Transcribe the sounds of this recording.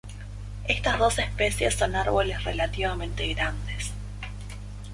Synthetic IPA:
est̪azðo̞sespesjesːo̞naɾβo̞lesrelat̪iβamẽnt̪eɣɾand̪es

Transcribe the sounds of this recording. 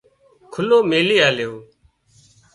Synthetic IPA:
kʰʊloːmeːliːaːlejoː

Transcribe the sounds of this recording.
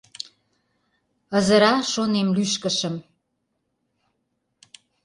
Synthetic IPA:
ə̆zəɾɑʃonemlyʃkə̆ʃə̆m

